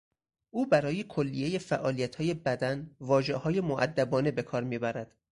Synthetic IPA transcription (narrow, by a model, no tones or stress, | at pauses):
ʔuːbæɾɒːje̞kʰo̞lːije̞je̞fæʔɒːlijæt̪ʰhɒːje̞bæd̪ænvɒːʒe̞hɒːje̞moʔæ̰d̪ːæbɒːne̞be̞kʰɒːɾmiːbæɾæd̪̥